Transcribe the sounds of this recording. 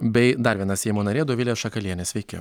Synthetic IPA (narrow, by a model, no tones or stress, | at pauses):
bʲɛɪd̪ɐɾʋʲiɛnɐsʲɛjmoːnɐɾʲeːd̪oʋʲɪlʲeːʃɐkɐlʲiɛnʲeːsʲʋʲɛɪkʲɛ